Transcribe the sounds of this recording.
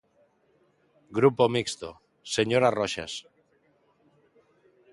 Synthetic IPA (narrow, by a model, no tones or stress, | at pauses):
ɡɾupo̞mikst̪o̰ | seɲoɾaroʃa̰s